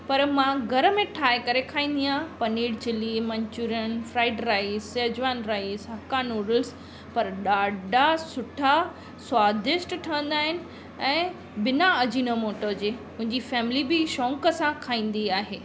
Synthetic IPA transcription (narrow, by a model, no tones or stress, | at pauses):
pɐɾmãɡʱɐɾəmẽʈʰaːekɐɾekʰaːĩːnd̪iãːpɐniːɽt͡ɕɪlimɐ̃ɲt͡ɕuːɾənfɾaːɪɖɾaːɪizeːd͡ʑʋaːnɾaːizɦɐkanuːɾəls | pɐɾɗaːɖʱasʊʈʰa | swaːd̪ɪʃʈʈʰɐʋə̃nd̪aːɦɪnɪ̆ | ɛ̃ː | bɪnaɐd͡ʑinəmoːʈəɾd͡ʑeːɦʊ̃ɦɪ̃ɲd͡ʑifɛːmlibɪʃɔ̃ːŋkəsãkʰaːĩːn̆d̪iaːɦeː